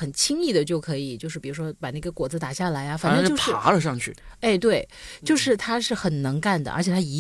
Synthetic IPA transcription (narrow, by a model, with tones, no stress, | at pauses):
ə˨˩nt͡ɕʰi˥ŋi˥˩d̪ə˩t͡ɕjo˥˩ʊkʰɤ˧˥i˨˩t͡ɕjo˥˧ʊʂɻ̩˥˩pi˨˩u˧˥ʂwɔ˥pa˨˩na˥˩ɡə˧˩kwɔ˨˩d͡zɹ̩˥t̪a˨˩ɕja˥˩la˧˥ɪjɐ˥˧fa˨˩nʈ͡ʂə˥˧t͡ɕjʊʂɻ̩˥˩a˧˥lə˨˧ʂɑ˥˧ŋt͡ɕʰy˥˩e˥˧ɪt̪̬we˥˩ɪt͡ɕjo˥˧ʊʂɻ̩˥˩t̪ʰa˥ʂɻ̩˥˩xə˨˩nnə˧˥ŋka˥˩nd̪ə̰˩ʔə̰˧˥t͡ɕʰjɛ˨˩t̪ʰa˥i˧˥